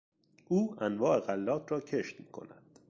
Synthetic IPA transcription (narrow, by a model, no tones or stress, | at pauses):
ʔuːænvɒːʔe̞ɣælːɒːt̪ʰɾɒːcʰeʃt̪miːkʰo̞̰næd̪̥